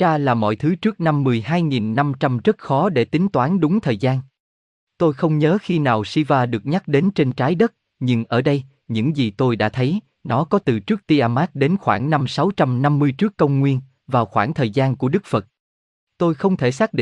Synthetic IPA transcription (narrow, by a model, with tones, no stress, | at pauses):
aː˧laː˨˩mɔ̰˧˨jt̪ʰɨ˨˦t͡ɕɨ˦˥ək̚na˧mːɨ˨˩əjɦaː˧jŋi˨˩nːa˧mt͡ɕa˧mzə˦˥t̚xɔ˨˦ɗe˧˩t̪ï˨˦ŋ̟t̪waː˨˦nɗʊ˨˦ŋ͡mt̪ʰəː˨˩jzaː˧n | t̪o˧jxə˧wŋ͡mɲəː˨˦xi˧naː˨˩wsi˧vaː˧ɗɨ˨˩ək̚ɲa˦˥k̚ɗe˨˦nt͡ɕe˧nt͡ɕaː˨˦jɗə˦˥t̚ | ɲɨ˧ŋʔəː˧˩ɗə˧j | ɲɨ̰˧˥ŋzi˨˩t̪o˧jɗa̰ː˧˥t̪ʰə˨˦j | nɔ˨˦kɔ˨˦t̪ɨ˨˩t͡ɕɨ˦˥ək̚t̪i˧ʔaː˧maː˦˥t̚ɗe˨˦nxwaː˧˩ŋna˧msa˨˦wt͡ɕa˧mna˧mːɨ˧əjt͡ɕɨ˦˥əkːə˧wŋ͡mŋwi˧ən | vaː˨˩wxwaː˧˩ŋt̪ʰəː˨˩jzaː˧nku˧˩əɗɨ˦˥k̚fə˨˩t̚ | t̪o˧jxə˧wŋ͡mt̪ʰe˧˩saː˦˥k̚ɗḭ˧˨